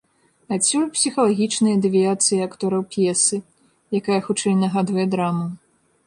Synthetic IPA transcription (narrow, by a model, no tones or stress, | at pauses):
at͡sʲːulʲpsʲixɐlˠaɣʲit͡ʂnɐjɐd̪ɨvʲijat̪sɨjiakt̪ɔɾɐwpʲjɛsɨ | jakajɐxut͡ʂɛjnɐɣad̪vɐjɛd̪ɾamu